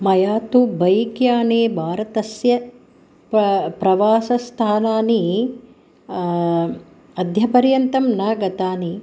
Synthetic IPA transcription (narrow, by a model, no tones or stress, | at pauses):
mɐjaːt̪ubɐjkjaːneːbʱaːɾɐt̪ɐsjɐ | ppɾɐʋaːsɐst̪ʰaːnaːni | ɐd̪ʱjɐpɐɾjɐnt̪ɐmnaːɡɐt̪aːni